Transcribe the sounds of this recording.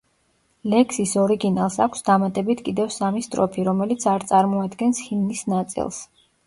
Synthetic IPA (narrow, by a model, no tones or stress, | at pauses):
lɛkʰsisɔɾiɡinalˠsakʷʰsd̪amat̪ʼɛbit̪ʰkʼid̪ɛvsamist̪ʼɾɔ̰pʰiɾɔmɛlit̪sʰaɾt̪sʼaɾmɔad̪ɡɛnshimnisnat̪sʼḭlˠs